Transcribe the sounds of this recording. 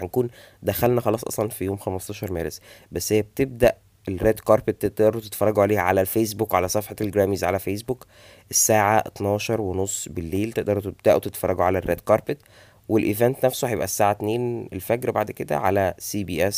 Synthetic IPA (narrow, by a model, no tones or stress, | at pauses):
ænkuːn | d̪æxælnæxɑlɑːsˤʔɑ̰sˤlɑnfijoːmxæmɑsˤt̪ɑːʃɑɾˤmæːɾesbæsːhejːæb̚et̪eb̚d̪æʔ | elːæd̪kɑɾˤpet̪ːeʔd̪ɑɾˤut̪e̥t̪fɑɾˤːɑɡuʕaleːʕa̰lælfeːs̬bukʕalæsˤɑfħɑt̪elɡɾæːmiːzʕalæfeːs̬buk | ʔesːaːʕat̪nɑːʃɑɾˤwenosˤːbelːeːlt̪eʔd̪ɑɾut̪eb̚d̪æʔwet̪et̪fɑrˤːɑɡuʕalærːæ̰d̪kɑɾˤpet̪ | welʔevænt̪næfsohæjebʔæsːaːʕat̪neːnelfækɾbaʕd̪ked̪æ̰ʕa̰læsiːbiːʔæs